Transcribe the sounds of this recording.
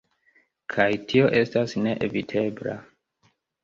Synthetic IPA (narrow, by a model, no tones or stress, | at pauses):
kʰajtʰio̞ʔe̞stasne̞ʔevitʰe̞bla̰